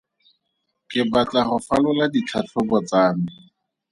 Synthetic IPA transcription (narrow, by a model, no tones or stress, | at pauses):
kɪbat͡ɬaχʊfalʊladit͡ɬʰat͡ɬʰʊbɔt͡saːmɪ